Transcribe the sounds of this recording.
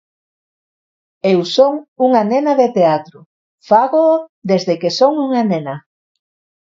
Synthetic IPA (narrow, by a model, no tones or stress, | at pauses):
ewsoŋuŋanenaðet̪eat̪ɾʊ | faɣoːðezðekesoŋuŋanena